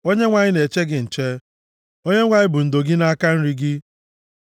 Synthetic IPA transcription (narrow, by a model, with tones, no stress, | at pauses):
o˦ɲe˦ŋʷa˨ɲɪ˦ne˨t͡ʃe˦ɡɪ˨n̩˨t͡ʃe˦ | o˦ɲe˦ŋʷa˨ɲɪ˦bʊ˨n̩˨do˨ɡɪ˦na˦a˦ka˦n̩˦ɾi˦ɡɪ˦